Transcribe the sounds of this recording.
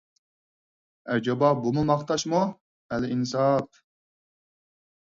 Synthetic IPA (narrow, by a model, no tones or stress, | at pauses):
æɾd͡ʒɑbɑbumumɑχt̪ʰɑʃmu | ɛlɪinsɑp